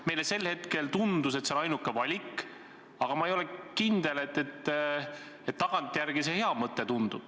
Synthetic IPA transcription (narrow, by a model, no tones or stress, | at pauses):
mejlese̞lhe̞t̪ke̞lt̪und̪use̞t̪senɑjnukːˑe̞vɑlʲikːˑ | ɑɡ̥ɑmɑejo̞lekind̪̥ele̞t̪ːet̪ːˑ | et̪ːɑɡ̥ɑnt̪ːˑjæɾɡ̥ise̞he̞ɑmɤt̪ːˑet̪und̪̥ub̥